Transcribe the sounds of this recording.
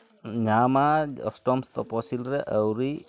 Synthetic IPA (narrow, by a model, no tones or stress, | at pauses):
ɲamaɔ̰stɔmst̪ɔpɔsilɾɛʔəwɾi